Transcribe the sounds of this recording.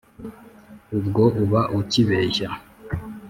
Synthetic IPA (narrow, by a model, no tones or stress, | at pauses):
ubɡo̞ʔuβaʔuciβeːça